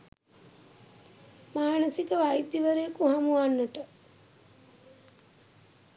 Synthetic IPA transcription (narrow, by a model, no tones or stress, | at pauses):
maːnəsikəʋajd̪jəʋəɾejəkuhamuʋanːəʈə